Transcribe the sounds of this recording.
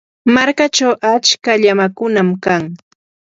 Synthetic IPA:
maɾkat͡ʃawʔat͡ʃkaʎamakʊnamkaŋ

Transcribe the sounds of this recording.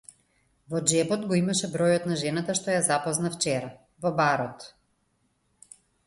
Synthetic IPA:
vɔd͡ʒɛbɔt̪ɡɔimaʃɛbɾɔjɔt̪naʒɛnat̪aʃt̪ɔjazapɔznaft͡ʃɛɾa | vɔbaɾɔt̪

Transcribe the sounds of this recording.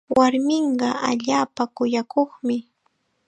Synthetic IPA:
waɾmɪɴɢɑʔaʎaːpakʊjakʰoχmɪ

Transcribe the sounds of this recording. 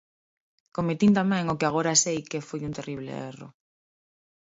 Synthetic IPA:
komet̪int̪amɛ̃ŋokɪaɣ̞oɾasejkefojunt̪eriβlḛḛro̰

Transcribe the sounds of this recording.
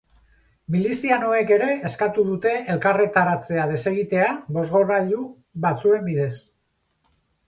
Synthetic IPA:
milisiano̞e̞ke̞ɾe̞eskat̪uðut̪e̞elkare̞t̪aɾat͡se̞að̞e̞se̞ɣit̪e̞aβo̞zɣoraʎu | βat͡sue̞mbiðe̞s

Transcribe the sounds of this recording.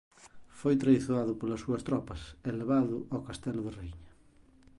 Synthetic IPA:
fojt̪ɾajθoaðʊpolɐsːuɐst̪ɾɔpɐseleβaðʊʔakast̪ɛlðerejɲɐ

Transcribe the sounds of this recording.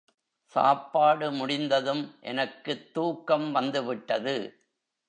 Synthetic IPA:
sa̰ːpːaːɽɯmʊɽɪnd̪ɐðɯmʔɛ̰nɐkːɯt̪ːuːkːɐmʋɐnd̪ɯʋɪʈːɐðɯ

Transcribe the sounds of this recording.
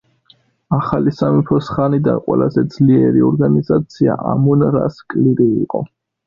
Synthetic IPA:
aχalisamipʰɔsχanid̪anqʼwɛ̰lazɛd̪zliɛɾiɔɾɡanizat̪sʰia̰ʔamunɾa̰skʼliɾiːqʼɔ

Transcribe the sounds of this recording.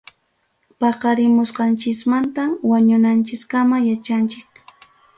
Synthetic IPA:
pɑqɑɾɪmʊsqɑnt͡ʃɪsmant̪awaɲʊnant͡ʃɪskamajat͡ʃant͡ʃɪk̚

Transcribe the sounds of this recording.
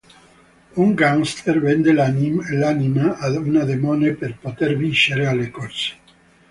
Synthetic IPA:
uŋɡaŋst̪ʰeɾvend̪elanimelanimaaunad̪emoneperpot̪eɾvinʃeɾealekot͡ʃe̥

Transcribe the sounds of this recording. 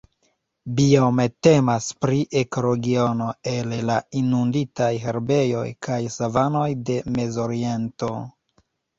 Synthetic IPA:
biomete̞maspɾiʔe̞koɾoɡio̞no̞e̞lelainunditajɦe̞ɾbe̞jo̞̰jkʰajsavano̞jde̞me̞zo̞ɾie̞nto̞

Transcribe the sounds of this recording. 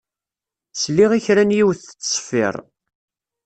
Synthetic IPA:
sliʁiçɾænjiwθə̥t͡sːsˤə̥fːɪ̰ɾˤ

